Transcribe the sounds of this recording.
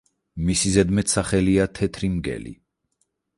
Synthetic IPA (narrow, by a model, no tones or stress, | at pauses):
misizɛd̪mɛt̪ʰsaχɛliat̪ʰɛt̪ʰɾimɡɛ̰lḭ